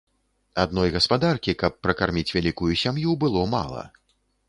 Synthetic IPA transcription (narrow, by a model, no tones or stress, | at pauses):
ad̪̚nɔjɣɐspad̪arkʲikɐpːɾɐkarmʲit͡sʲvʲalʲikujusʲamjubɨlˠɔma̰lˠɐ̰